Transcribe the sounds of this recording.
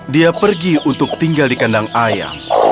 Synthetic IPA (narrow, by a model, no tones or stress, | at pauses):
diapərɡiunt̪ʊk̚t̪iŋɡaldikandaŋaja̰